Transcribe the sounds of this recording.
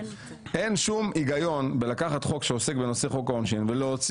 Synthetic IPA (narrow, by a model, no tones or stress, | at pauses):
ʔe̞nʃumiɡajo̞nbe̞lakaχat̪χo̞kʃeosekbe̞no̞seχo̞kaonʃinvelo̞ːt͡s